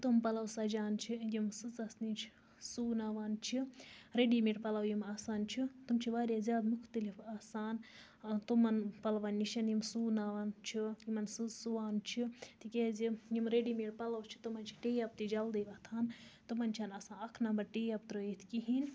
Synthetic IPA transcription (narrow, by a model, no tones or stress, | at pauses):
t̪umpɐlɐwsɐd͡ʒaːnt͡ʃʰijimsɨt͡sɐsnit͡ʃʰ | suːnaːʋaːnt͡ʃʰiɾeɖimiʈpɐlɐwjimaːsaːnt͡ʃʰit̪umt͡ʃʰiʋaːɾʲazʲjaːd̪mukʰt̪ɐlifaːsaːn | t̪umɐnpɐlʋɐnːiʃɐnjimsuːnaʋaːnt͡ʃʰijimɐnsɨzsuʋaːnt͡ʃʰit̪ʰikʲezijimɾeɖiːmiʈpɐlɐwt͡ʃʰi̥t̪umɐnt͡ʃʰi̥ʈeːjɐb̚t̪id͡ʒɐld̪eʋɐt̪ʰaːnt̪ɨmɐnt͡ʃʰaːnaːsaːnɐkʰnɐmbɐɾʈeːjɐp̚t̪ɾəit̪ʰkiɦin